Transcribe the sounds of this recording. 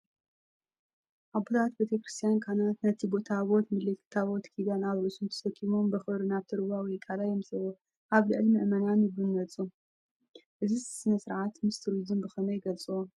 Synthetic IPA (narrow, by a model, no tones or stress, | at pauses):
ʔabo̞t̪ʰat̪bet̪ʰekɾɨst̪ʰijankʰanat̪nɐt̪ʰibo̞t̪ʰaβo̞t̪mɨlit̪ʰaβot̪kʰid̪anaβɾɨʔsunt̪ʰɐ̥sɐkʰʼːimombɐxɨβɾɨnaβt̪ʰɨɾɨβawikʼalajɛmsʼɨwo | ʔaβlɨʕɨlimɨʔmɐnanjɪbɨnːɐt͡sʼu | ʔɨzissɨnɐsɨɾʕat̪mɨst̪ʰɨɾuzɨmbɨxɐnɐjɡɐlt͡sʼɨwo